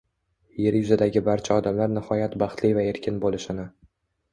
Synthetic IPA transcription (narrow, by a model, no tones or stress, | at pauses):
je̞ɾjʊzad̪aɡʲɪbaɾt͡ʃʰaɒd̪amlaɾnɪhɒjat̪bɑχt̪lijvae̞ɾkʲʰɪnbolɪʃɪnɪ